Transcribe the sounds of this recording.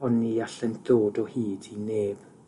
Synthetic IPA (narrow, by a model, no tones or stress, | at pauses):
ɔniaɬɛndoːdɔhiːdineːb̥